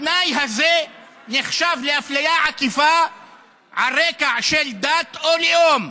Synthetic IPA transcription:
najɦaze | neχʃavleʔaflajaʕakifa | ʕaɾekaʕʃeld̪at̪ʔoljom

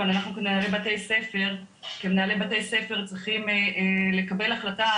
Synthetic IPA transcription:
onanaχnukemnaːlebate̞jse̞fe̞ʁ | kemenaːle̞bate̞jse̞fe̞ʁt͡sʁiχimele̞kabelaχlata

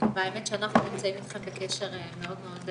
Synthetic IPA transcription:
veaemetʃeanaχnunimt͡saimitχamkekeʃeʁemeo̞dmeo̞d

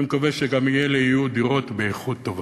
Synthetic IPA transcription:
mkaveʃeɡamijeleijud̪iʁo̞t̪beeχut̪ːo̞va

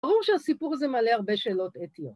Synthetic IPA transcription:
aʁuʁʃeasipuʁzemaleaʁbeʃe̞ːlo̞t̪et̪ijot

